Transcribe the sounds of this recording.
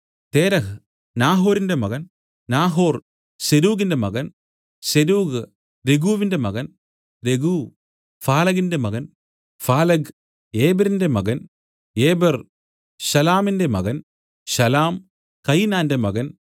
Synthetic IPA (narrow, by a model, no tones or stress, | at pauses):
t̪eːɾɐɦɨ | naːɦo̞ːɾinde̞mɐɣɐn | naːɦoːr | seɾuːɣindemɐɣɐn | seɾuːɡɨ | ɾeɡuːʋinde̞mɐɣɐn | ɾeɡuː | faːlɐɣinde̞mɐɣɐn | faːlɐɡ | eːbɐɾinde̞mɐɡɐn | eːbɐr | ɕɐlaːminde̞mɐɣɐn | ɕɐlaːm | kɐjnaːndemɐɣɐn